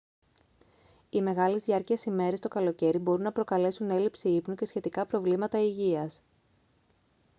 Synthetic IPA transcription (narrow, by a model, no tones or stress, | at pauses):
ime̞ɣɐlezðiɐɾciɐsime̞ɾest̪o̞kɐlo̞ce̞ɾibo̞ɾunːɐpɾo̞kɐle̞sune̞lipsiipnuce̞sçe̞t̪ikɐpɾo̞vlimɐt̪ɐiʝiɐs